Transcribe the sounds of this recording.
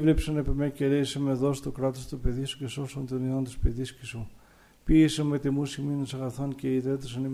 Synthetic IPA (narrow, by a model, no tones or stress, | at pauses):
vlepsɐnepemeceɾesɐmeðost̪okɾɐt̪ost̪upeðisu̥ceso̞sɐnt̪oniðont̪ispeðiscisu | piesɐnmet̪imusiminesɐɣɐθonceiðet̪̬esɐnim